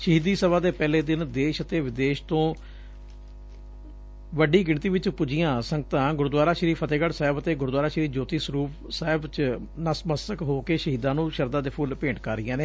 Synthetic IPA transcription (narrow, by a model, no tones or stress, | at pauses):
ʃəɦiːd̪iːsəbaːd̪eːpɛːleːd̪ɪnd̪eːʃət̪eːʋɪd̪eːʃt̪õː | ʋəɖiːɡɪɳt̪iːʋɪt͡ʃpʊd͡ʒɪjãːsəŋɡət̪ãːɡʊɾd̪waːɾaːʃɾiːpʰət̪eːɡəɽsaːɪbət̪eːɡʊɾd̪waːɾaːʃɾiːd͡ʒoːt̪iːsəɾuːp | saːɦɪbt͡ʃ | nəsməsəkɦoːkeːʃəɦiːd̪ãːnũːʃəɾd̪ãːd̪eːpʰʊlpẽːʈkaːɾɪjãːneː